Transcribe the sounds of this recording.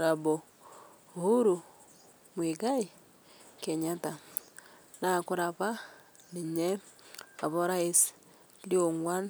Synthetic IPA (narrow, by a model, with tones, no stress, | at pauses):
ɾa˨bɔ˨ | hu˦ɾu˨ | mwe˨ɡa˦i˨ | kɛ˨ɲa˦ta˨ | na˨kʊ˦ɾa˨βa˦ | ni˨ɲɛ˦a̰˨βɔ˦ɾa˦e˦s | ljo˨ŋwa˦n